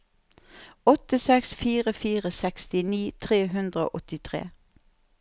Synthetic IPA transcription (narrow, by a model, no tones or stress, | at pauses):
ɔt̪əsɛksfiːʁəfiːʁəsɛkst̪ɪniːt̪ʰʁeːɦʉnd̪ʁəo̰ːʔɔt̪ɪt̪ʰʁḛː